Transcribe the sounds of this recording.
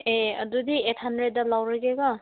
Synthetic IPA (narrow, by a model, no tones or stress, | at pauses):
eɐ̰dudiet̚ʰhandɾed̚ːalawɾaɡeɡɔ